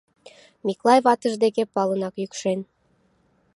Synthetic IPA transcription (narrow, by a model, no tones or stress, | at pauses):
miklˠɑjβɑt̪əʒd̪ekepɑlənɑkjykʃen